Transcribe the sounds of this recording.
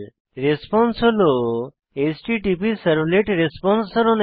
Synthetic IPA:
ɾespɔnsɦɔlo | esʈiʈipisəɾbleʈɾespɔnssɔɾɔn

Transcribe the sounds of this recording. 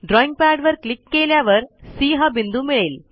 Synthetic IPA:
ɖɾoːiŋɡ̚paːɖʋɐɾkɭikːeːljaːʋɐɾsiːɦɐbind̪umiɭel

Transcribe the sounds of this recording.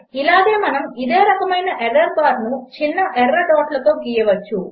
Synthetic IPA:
ilaːɡe̞ːmɐnɐmid̪eːɾɐkɐmɐjnɐʔeɾːɐɾbaːɾnut͡ʃinːɐʔeɾːɐɖaːʈlɐt̪o̞ːɡijɐʋɐt͡ʃːu

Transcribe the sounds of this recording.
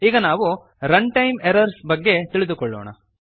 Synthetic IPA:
iːɡɐnaːʋu | ɾɐɳʈɐjmeɾɐɾsbɐɡːe̞t̪iɭid̪ukɔɭːo̰ːɳɐ̰

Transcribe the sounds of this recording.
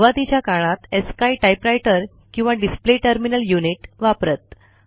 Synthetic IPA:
ʋat̪it͡ɕjakaɭ̃ãt̪eskaiʈajpɾajʈəɾ | kĩw̃ʋaɖispleʈəɾminəljuniʈʋapɾət̪̚

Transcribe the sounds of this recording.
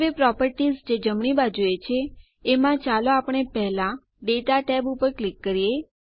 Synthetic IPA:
ʋepɾɔpəɾʈizd͡ʒed͡ʒəmɳibad͡ʒujet͡ʃʰeː | mãt͡ʃaloapəɳ̃epɛɦlã | ɖeʈaʈɛbupəɾklikːəɾije

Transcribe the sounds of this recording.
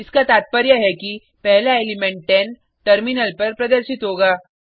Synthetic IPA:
ɪskat̪aːt̪̚pəɾjaɦɛki | pɛɦlaeːlɪmɛ̃ɳʈ̚ːɛːn | ʈɐɾmɪnəlpɐɾpɾɐd̪əɾʃɪt̪ɦoːɡaː

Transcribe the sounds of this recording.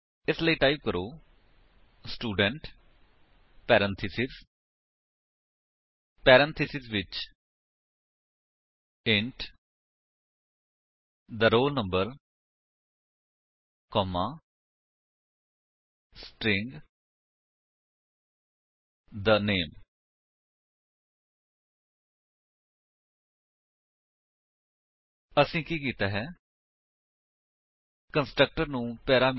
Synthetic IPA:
ɪsləiːʈaːɪb̚kəɾoː | sʈuːɖəɳʈ | pɛːɾə̃nt̪ʰɪsɪs | pɛːɾə̃nt̪ʰɪsɪsʋɪt͡ʃ | ɪ̃ɳʈ | d̪əɾoːlnə̃mbəɾ | kɔːmaː | sʈɾɪŋɡ | d̪əneːm | əsĩːkiːkiːt̪aːɦɛː | kənsʈɾək̚ʈəɾnũːpɛːɾaːm

